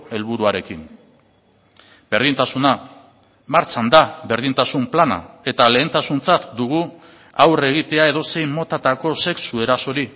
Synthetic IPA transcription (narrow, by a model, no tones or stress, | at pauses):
e̞lβuɾuaɾe̞kin | be̞ɾð̞int̪asuna | maɾt͡ʃand̪aβe̞ɾð̞int̪asumplana̰e̞t̪ale̞ːnt̪asunt͡sat̪d̪uɣ̞u | awre̞ɣ̞it̪e̞ae̞ðo̞se̞jmo̞t̪at̪ako̞se̞ksue̞ɾaso̞ɾi